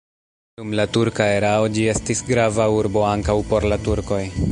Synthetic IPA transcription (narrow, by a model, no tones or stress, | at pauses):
d̥umlatuɾkaeɾao̞d͡ʒie̞stisɡɾavauɾbo̞aŋkawpo̞ɾlatuɾko̞j